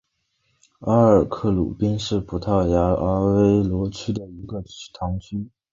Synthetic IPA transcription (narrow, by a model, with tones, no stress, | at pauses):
a˥ə˞˨˩kʰɤ˥˩lṵ˨˩pi˥ŋʂɻ̩˥˩pʰu˨˩t̪ʰɑ˥˩ʊja˧˥a˧˥we˥ɪlwɔ˧˥t͡ɕʰy˥d̪ə˨i˧˥ɡə˧t̪ʰɑ˧˥ŋt͡ɕʰy˥